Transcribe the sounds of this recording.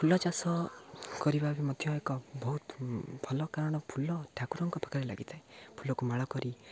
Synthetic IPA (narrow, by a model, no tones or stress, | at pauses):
pʰulɔt͡ʃasɔkɔɾibabimɔd̪ʱjɔekɔbɔɦut̪bʱɔlɔkaɾɔɽ̃ɔpʰulɔʈʰakuɾɔŋkɔpʰḁkaɾela̰ɡit̪ʰaepʰulɔkumaɭɔkɔɾi